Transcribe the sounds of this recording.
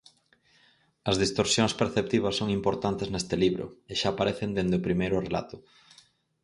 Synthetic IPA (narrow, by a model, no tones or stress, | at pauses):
ɐzðist̪oɾsjoŋspeɾθep̚t̪iβɐsːoŋimpoɾt̪ant̪eznest̪ɪliβɾʊ̰eʃaːpaɾeθend̪end̪eʊpɾimejɾʊrela̰t̪ʊ